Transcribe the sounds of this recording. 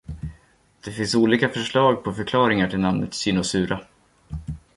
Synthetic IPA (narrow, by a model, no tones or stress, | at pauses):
d̪̥ɛfɪnsuːliːkafœʂɭɑːɡ̚pʰɔfœɾkʰlɑːɾɪŋaʈʰɪlnamnə̰t̪sʏnʊsʉ̟ːɾʔa